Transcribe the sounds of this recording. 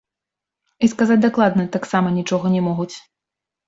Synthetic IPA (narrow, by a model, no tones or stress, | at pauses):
iskazad͡zʲd̪aklˠad̪nɐt̪aksamɐnʲit͡ʂɔɣɐnʲɛmɔɣut͡sʲ